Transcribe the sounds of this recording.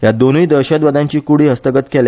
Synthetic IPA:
jad̪onʋiːd̪əɾɕəd̪ʋəd̪ãɲt͡ɕiːkuɽ̤iːɦəst̪əɡət̪kʰel

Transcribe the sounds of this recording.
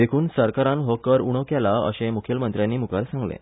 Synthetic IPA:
ekʰuːnsəɾkaɾãnɦokəɾuɽ̃əkjalaə̰ɕemukʰjəlmənt̪ɾjanːiːmukaɾsãŋɡlḛ̃

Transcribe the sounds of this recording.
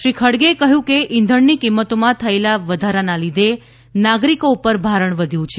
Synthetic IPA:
ʃɾikʰəɽɡekəɦjũkeʔɪnd̪ʱəɳnikimːət̪omãt̪ʰəelaʋəd̪ʱaɾanalid̪ʱe | naɡɾikoupəɾbʱaɾəɳʋəd̪ʱjũt͡ʃʰe

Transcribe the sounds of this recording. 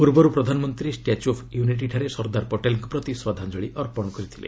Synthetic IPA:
puɾbɔɾupɾɔd̪ʱanɔmɔnt̪ɾisʈiat͡ʃopʰjuniʈ̬iʈʰaɾesɔɾd̪aɾpɔʈelkupɾɔt̪iswad̪ʱand͡ʒɔɭiʔɔɾpɔɽ̃ɔkɔɾit̪ʰilḛ

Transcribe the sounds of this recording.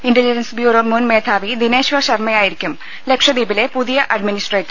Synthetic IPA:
iɳɖɐliɐnsbjuːɾoːmunmeːt̪ʰaːʋid̪ine̞ːɕʋɐɕɐrmɐjaːjiɾikʲːum | le̞kʂɐd̪iːbile̞puðijɐʔɐɖminisʈreːʈːɐ

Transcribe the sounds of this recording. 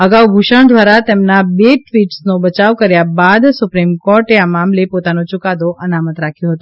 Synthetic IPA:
əɡawɡʱuʃaɳd̪ʋaɾat̪emnabeʈʋiʈsnobət͡ʃaʋkəɾjabad̪sʊpɾimkɔɾʈeamamlepot̪anot͡ʃʊkad̪oʔənamət̪ɾakʰjõɦət̪ũ

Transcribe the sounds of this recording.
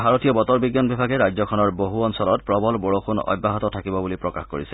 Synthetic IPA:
bʱaɹotijɔbɔtɔɹbiɡjɔnbibʱaɡɛɹajd͡ʑzɔkʰɔnɔɹboɦuɔnsɔlɔt̚pɹɔbɔlboɹoxʰunɔ̰jbʱːaɦɔtɔtʰakibɔbulipɹɔkaxko̰ɹisɛ

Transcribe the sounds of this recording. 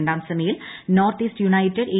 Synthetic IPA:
ɳɖaːmsɐmɐjilnoːrt̪iːstjunɐjtːɐɖeː

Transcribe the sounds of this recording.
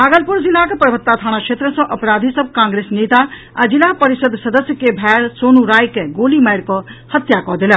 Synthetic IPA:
baːɡəlpʊɾzilaːkɐpɾɐʋət̪ːaːt̪ʰaːɽ̃akʃeːt̪ɾəsɔ̃ʔɐpɾaːd̪ʱisɐb̚ʱkãːŋɡɾeːsneːt̪a | ɐd͡ʒilaːpɐɾɪsəd̪sɐd̪əsjəkebʱɛːɾsoːnuɾaːjkeɡoːlimɐjɾkohɐt̪jakɔːd̪ilə

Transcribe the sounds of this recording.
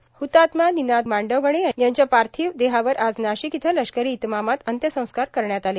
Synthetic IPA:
hut̪at̪maninad̪maɳɖəʋɡəɽ̃eajaɲt͡ɕjapaɾt̪ʰiːʋd̪eɦaʋəɾad͡znaɕikit̪ʰələɕkəɾiːt̪mamat̪ənt̪jəsə̃w̃skaɾkəɾɳjat̪ale

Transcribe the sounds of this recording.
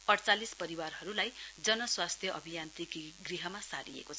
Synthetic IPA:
pʌɽt͡salispʌɾiwarɦʌɾulajd͡zʌnʌswast̪ʰjʌʔʌbʱijant̪ikɡriɦʌmasa̰ɾḭḛkot͡sʰ

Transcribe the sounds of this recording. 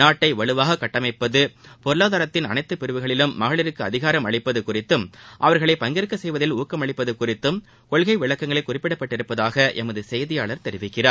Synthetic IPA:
naːʈːɐɪʋɐɭɯʋaːɣɐkːɐʈːɐmɐɪpːɐðɯpɔɾɯlaːðaːɾɐt̪ːɪnɐ̰nɐɪt̪ːɯpɪɾɯʋɯɣɐɭɪlɯmːɐɣɐɭɪɾɯkːɯɐðɪɣaːɾɐmɐɭɪpːɐðɯkʊrɪt̪ːɯmʔɐʋɐɾɣɐɭɐɪpɐŋɡɪɾɯkːɐsɛjʋɐðɪluːkːɐmɐɭɪpːɐðɯkʊrɪt̪ːɯm | kɔɭɣɐɪʋɪɭɐkːɐŋɡɐɭɐɪkːʊrɪpːɪɽɐpːɐʈːɪɾɯpːɐðaːɣɐʔɛmɐðɯsɛjðɪjaːɭɐɾt̪ɛɾɪʋɪkːɪraːɾ

